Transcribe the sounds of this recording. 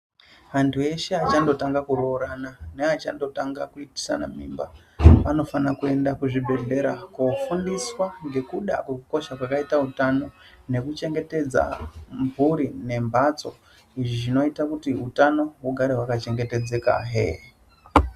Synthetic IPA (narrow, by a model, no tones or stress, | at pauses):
ʋantʰue̞ʃe̞at͡ʃando̞taŋɡakuɾoːɾananeat͡ʃando̞taŋɡakuiti̥sa̰na̰mḭːmba | pano̞fanakue̞ndakuʐibʱe̞ɮe̞ɾakofundiswaŋɡe̞kuɗa̰kwekuko̞ʃakwakaitautano̞ | ne̞kut͡ʃe̞ŋɡe̞te̞d͡za̰mbʱuɾine̞mbʱat͡so̞̰ | iʐiʐino̞itakutiutano̞ɦuɡʱaɾewakat͡ʃe̞ŋɡe̞te̞d͡ze̞ka̰ɦḛ